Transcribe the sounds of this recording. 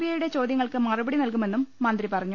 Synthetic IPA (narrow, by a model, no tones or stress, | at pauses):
ijɐjuɽe̞t͡ɕo̞ːd̪jɐŋːɐɭkɨmɐrubɐɽinɐlkume̞nːumːɐnd̪ripɐrɐɲːu